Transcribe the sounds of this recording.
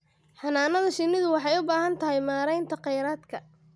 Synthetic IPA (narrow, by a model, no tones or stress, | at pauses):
ħɑnaːnɐðɐʃɪnːɪðʊwɑħɑjʊbaːɦɐnt̪ʰɐɦɛjmaːɾɛjnt̪ʰɐqɛjɾaːd̪kʰɐ